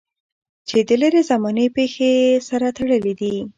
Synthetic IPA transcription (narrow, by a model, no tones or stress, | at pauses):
t͡ʃed̪əleɾezamɑnəpexesaɾat̪aɽəled̪i